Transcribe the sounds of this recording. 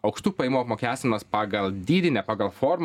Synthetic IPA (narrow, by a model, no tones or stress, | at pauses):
ɐʊkʃt̪uːpɐɪmuːɐpmoːkʲæːsʲt̪ʲmɐspɑːɡɐlˠd̪ʲiːd̪ʲɪnʲɛpɑːɡɐlˠfoːɾm